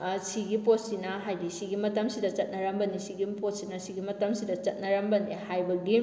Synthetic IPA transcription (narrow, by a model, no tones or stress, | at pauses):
siɡipot̚sinɐɦajɾisiɡimɐtɐmsidɐt͡ʃɐt̚nɐɾɐmbɐnisiɡipot̚sinɐsiɡimɐtɐmsidɐt͡ʃɐt̚nɐɾɐmbɐnihajbɐɡi